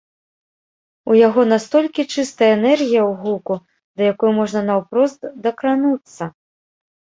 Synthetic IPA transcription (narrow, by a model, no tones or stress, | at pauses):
ujaɣɔnast̪ɔlʲkʲit͡ʂɨst̪ɐjɐɛnɛrɣʲijɐwɣuku | d̪ɐjakɔjumɔʐnɐnawpɾɔzt̪d̪ɐkɾanut̪sːɐ